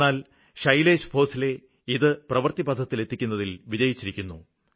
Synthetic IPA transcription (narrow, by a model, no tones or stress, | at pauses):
aːl | ʂɐjle̞ːɕɨ̥pʰo̞ːsile̞ | iðɨprɐʋɐrt̪ibɐd̪ʱːɐt̪ːile̞t̪ʰːikʲːunːɐðilʋid͡ʑɐjit͡ɕːiɾikʲːunːṵ